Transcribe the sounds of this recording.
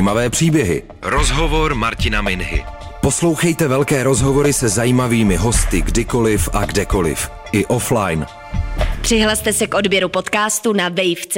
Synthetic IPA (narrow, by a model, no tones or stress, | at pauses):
imavɛːpr̝̥iːbjɛɦɪ̰ | ɾozɦovoɾmaɾcɪnamɪnɦɪ̰ | po̞slowxɛjt̪ɛvɛlkɛːɾo̞zɦo̞vo̞ɾɪsɛzajiːmaviːmɪɦo̞st̪ɪɡdɪko̞lɪfʔaɡdɛko̞lɪ̰f | ʔɪʔo̞flajn | pr̥ɪɦlast̪ɛsɛkʔo̞dbjɛɾupo̞t̪kaːst̪unavɛjft͡s